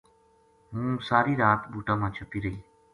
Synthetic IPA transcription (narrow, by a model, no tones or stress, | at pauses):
ɦũːsaːɾiːɾaːt̪ɓuːʈãːmãːt͡ʃʰəpiːɾəɦiː